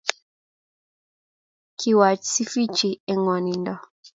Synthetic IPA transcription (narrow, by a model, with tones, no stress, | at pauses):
kʰi˨wa˨t͡ʃsi˦fi˦t͡ʃi˨ɛ˨ŋɔ˨ni˨ndɔ˨